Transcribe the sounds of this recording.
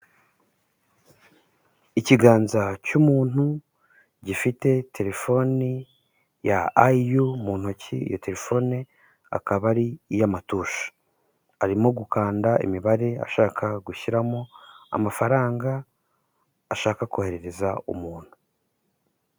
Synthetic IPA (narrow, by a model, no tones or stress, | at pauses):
iciɡaːnzacumuːn̥hu | ɟifite̞te̞ɾe̞fo̞ni | ja̰aijumuːn̥hocḭḭjo̞te̞ɾe̞fo̞ni | a̰kaβaɾijamatuːʃḁ | aɾimoɡukaːndaḭmiβaɾe̞a̰ʃaːkʰaɡuçiɾamoa̰mafaɾaːŋɡa | ʃaːkakohe̞ɾeɾe̞zaṵmuːn̥hu̥